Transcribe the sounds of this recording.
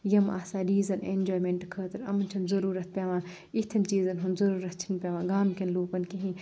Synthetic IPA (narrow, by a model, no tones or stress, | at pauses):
jɐma̰ːsaːɾiːzɐnḛnd͡ʒoːjmẽːɳʈkʰəːt̪ɐɾɐ̰mɐnt͡ʃʰɐnzɐɾuːɾɐt̪̚ʰpʲeːʋãː | it̪ʰɐnt͡ʃiːzɐnɦunzɐɾuːɾɐt̪̚ʰt͡ʃʰinpʲaːʋãːɡaːmkʲɐnluːpɐnkʲiɦĩː